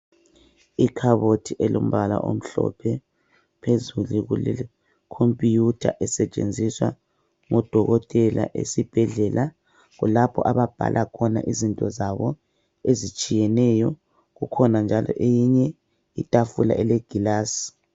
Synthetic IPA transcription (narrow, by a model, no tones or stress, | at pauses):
ikʰaβotʰiʔɛlom̩βala̰ʔo̰m̩ɬɔ̰pʰɛ | pʰezuluɣulɛ | kʰompʼijutʰa̰ʔɛsɛt͡ʃʼḛnd͡zʱiswa | ŋɔd̥ʱɔɣɔtʼɛla̰ʔḛsib̥ʱɛɮɛlʔa | ɣulapʰɔʔaβab̥ʱa̰lʔakʰɔna̰ʔizintʼɔzaβɔ | ezit͡ʃʼijɛnɛjɔ | ɣukʰɔnand͡ʒʱalʔɔ̰ʔejiɲɛ | itʼafula̰ʔɛlɛɡ̥ʱilaːsi̥